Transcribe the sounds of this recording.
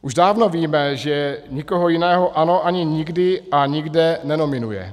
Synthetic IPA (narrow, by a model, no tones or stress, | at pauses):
ʔuʒdaːvnoviːmɛʒɛɲikoɦojɪnɛːɦoʔano̞ʔaɲɪɲɪɡdɪʔaɲɪɡdɛnɛno̞mɪnujɛ̰